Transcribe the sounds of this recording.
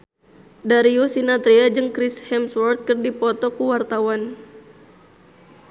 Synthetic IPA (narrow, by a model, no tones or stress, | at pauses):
daɾiusinat̪ɾiad͡ʒɨŋkɾishɛmswɔrt̪̚kɨrdipɔt̪ɔkuwart̪awan